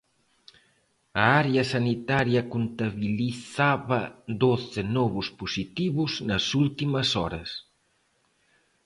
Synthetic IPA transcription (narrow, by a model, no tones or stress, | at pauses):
ɐaɾeɐsanit̪aɾjɐkunt̪aβiliθaβɐd̪ɔθɪnɔβuspusit̪iβuznɐsult̪imɐsɔɾɐs